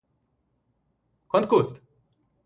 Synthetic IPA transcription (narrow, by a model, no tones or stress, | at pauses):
kont̪̚kust̪